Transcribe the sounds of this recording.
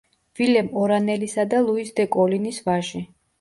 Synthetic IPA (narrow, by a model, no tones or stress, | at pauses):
vilɛmɔɾanɛlisad̪alˠuisd̪ɛkʼɔlinisvaʒi